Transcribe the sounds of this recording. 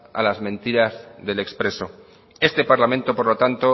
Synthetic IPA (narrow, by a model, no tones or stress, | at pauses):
a̰lazmẽ̞nt̪iɾazðe̞le̞kspɾe̞so̞ | e̞st̪e̞paɾlamẽ̞nt̪o̞po̞ɾlo̞t̪ant̪o̞